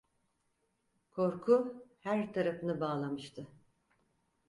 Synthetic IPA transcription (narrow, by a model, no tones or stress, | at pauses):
kʰo̞ɾkʰuhæɾt̪ʰaɾafɯnɯbaːlˠamɯʃt̪ʰɯ